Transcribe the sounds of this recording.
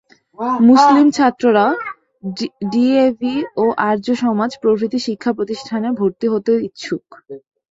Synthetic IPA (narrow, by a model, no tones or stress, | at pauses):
muslimt͡ɕʰat̪ːɾoɾao | ɖiebioʔaɾd͡ʑoʃɔmad͡ʑpɾobʱɾit̪iʃikʰːapɾot̪iʃʈʰanebʱoɾt̪iɦot̪eoit̪ːʃʰuk